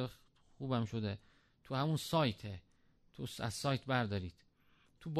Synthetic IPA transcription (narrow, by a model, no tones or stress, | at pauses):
xuːbæmʃod̪e | t̪ʰuhæmunsɒːjt̪ʰe | t̪ʰusæ̰zsɒːjt̪ʰbæɾd̪ɒːɾiːd̪̥ | t̪ʰub